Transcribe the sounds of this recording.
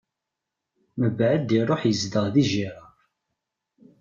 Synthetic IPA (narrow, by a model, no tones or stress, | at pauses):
məbʕəd̪iɾˤoħjəzd̪əʁðiʒiɾˤɑ